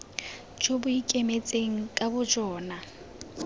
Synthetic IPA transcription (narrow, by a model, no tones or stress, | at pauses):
d͡ʒʰobʊikʼemet͡sʼeŋ̩kʼabʊd͡ʒɔːna